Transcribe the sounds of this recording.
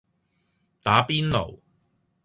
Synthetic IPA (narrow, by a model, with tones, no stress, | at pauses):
t̪aː˨˥piː˥nlo̰˨˩w